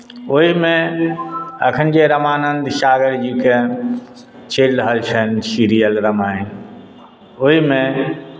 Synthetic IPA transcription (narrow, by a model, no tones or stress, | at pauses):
oɦimẽ | əkʰənd͡ʒeɾəmaːnənd̪ʱʃaːɡəɾd͡ʒike | t͡ʃeɾɾəɦəlt͡ʃʰənsiɾijəlɾəmajn | oɦimẽ